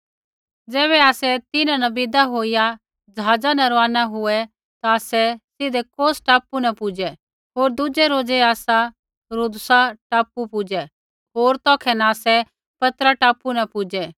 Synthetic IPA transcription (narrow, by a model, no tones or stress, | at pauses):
d͡zɛːβɛaːsɛt̪ɪnãnɐbɪd̪aɦoːija | d͡ʒɐɦaːd͡zanɐɾaːnaɦʊɛ | t̪aːsɛsɪd̪ɛkoːsʈaːpunɐpʊd͡ʒɛ | ɦoːɾd̪ʊd͡ʒɛɾoːd͡ʒɛaːsa | ɾʊd̪saʈaːpupʊd͡ʒɛ | ɦoːɾt̪ɔːkʰɛnaaːsɛ | pɐt̪ɾaʈaːpunɐpʊd͡ʒɛ